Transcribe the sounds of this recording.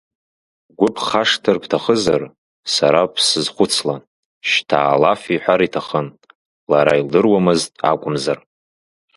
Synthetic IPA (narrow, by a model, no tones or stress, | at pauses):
ɡʷʊpʰχaʂtʰɨrpʰtʰaχəzar | saɾapʰsɨzχʷʊt͡sʰla | ʃtʰa̰ːlafiħʷᶣaɾitʰaχən | laɾaildɨrwamɨztʼa̰kʷʼʊmzar